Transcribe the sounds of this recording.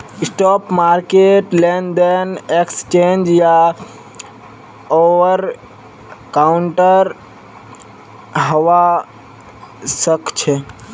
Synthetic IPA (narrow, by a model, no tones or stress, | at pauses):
sʈɔpmaɾkeʈlend̪enekst͡ʃend͡ʒja | oʋəɾ | kaʊɳʈəɾ | ɦəʋa | səkt͡ʃʰɛ